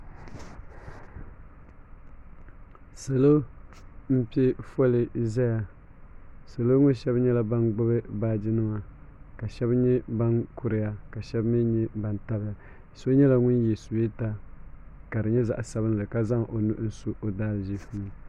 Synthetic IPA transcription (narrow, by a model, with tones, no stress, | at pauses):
sa˨lo˦ | m̩˦pi˦ɛ˦fɔ˦lɪ˨zɛ˦ja˨ | sa˨lo˦ŋʊ̃˦n˦ʃɛ˦bɲɛ˦la˦ba˦nɡ͡bʊ˦bɨ˦baː˦d͡ʒi˦nɨ˦ma˨ka˨ʃɛ˦bɲɛ˦ba˦nku˦ɾɪ˨ja˦ka˨ʃɛ˦bmi˦ɲɛ˦ba˨nta˦bɪ˦ja˨ | so˦ɲɛ˦la˦ŋʊ˦njɛ˨su˨be˦ta˦ | ka˨dɨ˨ɲɛ˦za̰˨ʔsa˦βɨ˦n˦lɨ˨ka˦za˦ŋʔo˨nu˦ʔn̩˦su˦ʔo˨daː˦lʒi˦fni˦